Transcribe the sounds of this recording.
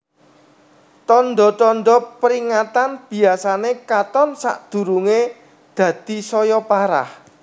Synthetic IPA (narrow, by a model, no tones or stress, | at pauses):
t̪ɔnɖ̪ɔt̪ɔnɖ̪ɔpəɾiŋat̪anb̥i̤asanekat̪ɔnsa̰ʔd̪̥ṳɾuŋe | d̪̥ä̤d̪̥i̤sɔjɔpaɾa̰h